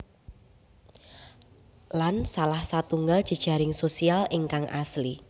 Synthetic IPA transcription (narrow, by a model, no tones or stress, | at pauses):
lansalahsat̪uŋɡad̥ʒ̥ə̤d̥ʒ̥a̤ɾɪŋsosialɪŋkaŋʔasli